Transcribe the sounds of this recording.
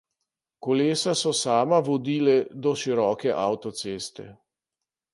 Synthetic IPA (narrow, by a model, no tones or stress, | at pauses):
kɔleːsasɔsaːmaʋɔd̪iːlɛd̪ɔʃiɾɔːkɛʔawt̪ɔt̪seːst̪ɛ̰